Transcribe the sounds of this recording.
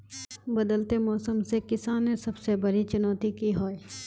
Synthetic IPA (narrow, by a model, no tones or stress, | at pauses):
bɐd̪əlt̪emɔːsəmsekɪsaːnesɐbsebɐɾit͡ʃʊnɔːt̪ikiɦoːe